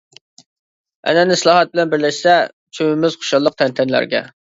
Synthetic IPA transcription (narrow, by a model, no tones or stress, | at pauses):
ɛ̰nɛnɪslˠɑːɦɑt̪̚bɪlɛnbɪɾlɛʃsɛ | t͡ʃʰømɪmɪzqʰo̥ʃɑlˠːəq̚t̪ʰɛnt̪ʰɛnlæ̰ɾɡʲɛ̰